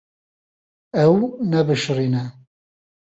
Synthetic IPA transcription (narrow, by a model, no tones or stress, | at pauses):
ɛwnɛbɨʃriːnɛ